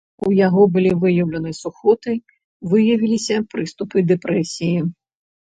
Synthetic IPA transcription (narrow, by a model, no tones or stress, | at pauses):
ujaɣɔbɨlʲivɨjɐwlʲɐnɨsuxɔt̪ɨ | vɨjɐvʲilʲisʲɐpɾɨst̪upɨd̪ɛpɾɛsʲiji